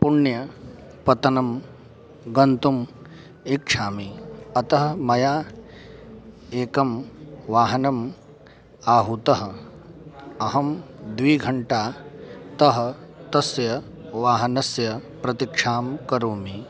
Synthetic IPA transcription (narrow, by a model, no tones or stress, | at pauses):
puɳjɐ | pɐt̪ɐnɐm | ɡɐnt̪um | ikʂʰaːmiɐt̪ɐɦɐ̆mɐjaː | eːkɐmʋaːɦɐnɐm | aːɦut̪ɐɦɐ̆ | ɐɦɐmd̪ʋiːɡʱɐɳʈaːt̪ɐɦɐ̆t̪ɐsjɐ | ʋaːɦɐnɐsjɐpɾɐt̪ikʂʰaːmkɐɾuːmi